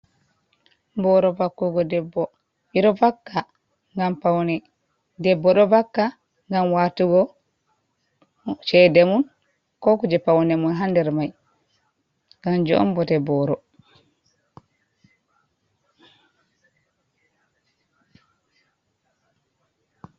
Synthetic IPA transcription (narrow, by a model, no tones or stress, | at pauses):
bɔɾɔbakːuɡɔdɛbːɔ | ɓiɾɔbakːa | ŋɡampawnɛ | dɛbːɔɗɔbakːa | ŋɡamwaːtuɡɔ | t͡ʃɛdɛmun | kɔkud͡ʒɛpawnɛmunɦandɛɾmaj | ŋɡamd͡ʒɔ̰ɔ̰mbɔtɛbɔɾɔ